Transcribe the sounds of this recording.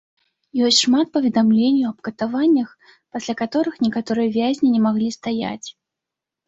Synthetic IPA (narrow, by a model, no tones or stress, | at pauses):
jɔsʲtʲʂmat̪̚pɐvʲɛd̪amlʲenʲjuɐbkɐt̪avanʲːɐx | pasʲlʲakat̪ɔɾɨxnʲɛkat̪ɔɾɨjɐvʲazʲnʲinʲɛmaɣlʲist̪aja̰t͡sʲ